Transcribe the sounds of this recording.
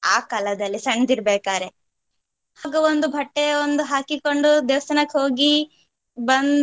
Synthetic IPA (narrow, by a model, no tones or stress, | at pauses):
aːkalɐd̪ɐlːisɐɳd̪iɾbeːkaːɾe | haːɡuond̪ubʱɐʈːeond̪uɦaːkiko̞ɳɖud̪eːʋɐsɐnɐkɦo̞ːɡi | bɐn